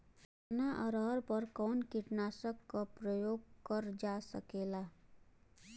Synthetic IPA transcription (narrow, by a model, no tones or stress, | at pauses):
naʔɔɾɔɾpəɾkɔːnkiʈnaːsəkːapɾəjoːɡ̚kəɾd͡ʒasəkeːla